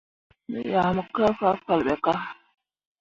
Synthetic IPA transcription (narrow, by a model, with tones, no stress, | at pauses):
nə̰˨ja˨mə˨ka˦fa˦fa˨lɓɛ˨ka˦